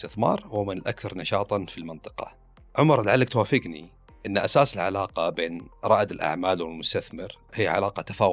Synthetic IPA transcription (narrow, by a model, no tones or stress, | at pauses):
t̪ɪθmɑ̰ːɾˤwɪmɪnɪlʔa̰kθɑɾˤnɑʃɑːt̪ˤɑfilmɪnt̪ˤɨ̥qɑ̰ | ʕʊmɑɾˤlaʕalːak̚t̪waːfɪɡnḭ | ʔɪnːʔasaːsɪlʕa̰laːqɑbeːnɾˤɑːʔd̪ɪlʔa̰ʕmaːlwɪlmʊst̪aθmɪɾhijːʕa̰laːqɑt̪ḁfaː